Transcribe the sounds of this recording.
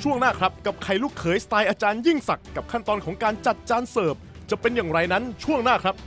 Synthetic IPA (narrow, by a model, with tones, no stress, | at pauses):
t͡ɕʰu˥˩əŋnaː˥˩kʰɾa˦˥p̚ka˨˩p̚kʰa˧˩jluː˥˩kʰːɤː˩˦jst̪aː˧jʔaː˧t͡ɕaː˧nji˥˩ŋsa˨˩kːa˨˩p̚kʰa˥˩nt̪ɔː˧nkʰɔː˩˦ŋkaː˧nt͡ɕa˨˩t̪̚t͡ɕaː˧nsɤː˨˩p̚ | t͡ɕa˨˩pe˧njaː˨˩ŋɾa˧jna˦˥nt͡ɕʰu˥˩əŋnaː˥˩kʰɾa˦˥p̚